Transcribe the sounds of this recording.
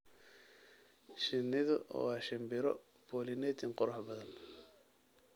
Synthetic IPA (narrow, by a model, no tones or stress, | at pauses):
ʃɪnːɪðɐɔ̰wɑːʃɪmbɪɾɔ | b̥ɔːlɪnɛt̪ɪnqʊɾɐħbɐðɐn